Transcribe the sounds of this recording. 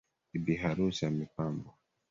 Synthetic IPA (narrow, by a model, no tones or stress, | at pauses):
ibiɦaɾusamipambɔ